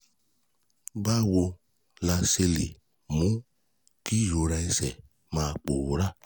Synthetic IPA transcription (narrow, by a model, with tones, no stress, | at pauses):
ba˦wo˧ | la˧se˧li˨ | mũ˦ | ki˦jo˨ɾa˧i˧sɛ˨ | maː˧˨k͡po˨wo˨ɾa˦